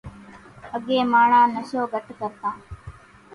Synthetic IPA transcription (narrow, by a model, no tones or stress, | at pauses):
ɐɡeːmaːɳaːnɐʃoːbɐʈːukɐɾt̪aː